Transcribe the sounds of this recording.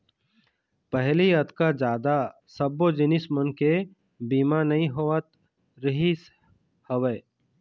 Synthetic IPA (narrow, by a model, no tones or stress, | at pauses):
pəɦliɐt̪kad͡ʒaːd̪a | sɐbod͡ʒɪnɪsmənke | biːmanɐɦĩɦoət̪ | ɾəɦis | həʋə